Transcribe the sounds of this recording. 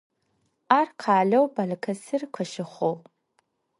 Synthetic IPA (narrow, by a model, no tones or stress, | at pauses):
arqʰaːlowbalkʰɐsɨrkʷʰɐʃɪχʷow